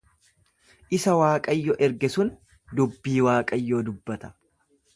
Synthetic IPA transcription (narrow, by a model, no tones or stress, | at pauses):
ʔɪsɐwaːkʼɐjːɔʔɛɾɡɛsʊn | d̪ʊbːiːwaːkʼɐjːo̞ːd̪ʊbːɐt̪ɐ̥